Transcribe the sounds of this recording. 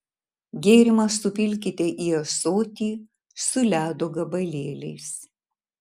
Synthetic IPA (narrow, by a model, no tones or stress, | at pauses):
ɡʲeːɾʲɪmɐsːʊpʲɪlʲk̬ʲɪt̪ʲɛʔiːɐsoːt̪ʲiː | sʊlʲæːd̪oːɡɐbɐlʲeːlʲɛɪs